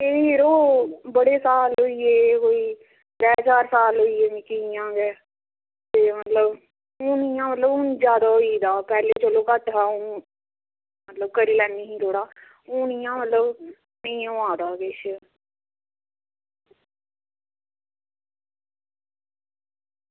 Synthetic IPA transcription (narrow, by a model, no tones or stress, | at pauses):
eːɦeɾoːbəɽeːsaːlɦoiːeːkoːiː | d̪ɛːt͡ʃaːɾsaːlɦoiːeːmĩːkɪijãːɡɛː | t̪eːmət̪ləb | uːnijãːmət̪ləbũːnd͡ʒjaːd̪aːɦoiːd̪aːpɛːleːt͡ʃəloːkəʈɦaːõː | mət̪ləb̚kəɾiːlɛːniːɦĩːt̪ʰoːɽaː | uːnijãːmət̪ləb | nəĩːõːaːd̪aːkɪʃ